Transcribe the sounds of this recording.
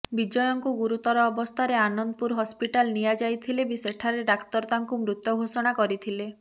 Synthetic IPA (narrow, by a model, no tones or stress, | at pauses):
bid͡ʒɔjɔŋkuɡuɾut̪ɔɾɔːbɔst̪ʰaɾeanɔnd̪ɔpuɾɦɔspiʈalnijad͡ʒajt̪ʰilebiseʈʰaɾeɖakt̪ɔɾt̪aŋkumɾut̪ːɔɡʱosɔɽ̃akɔɾit̪ʰile